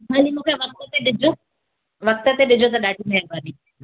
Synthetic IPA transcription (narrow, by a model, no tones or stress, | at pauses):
maːlimũːkʰeʋɐk̚t̪ət̪eɗɪd͡ʑʱo | ʋɐk̚t̪ət̪eɗɪd͡ʑʱot̪̬ɐɗaːʈʰimẽɦebaːni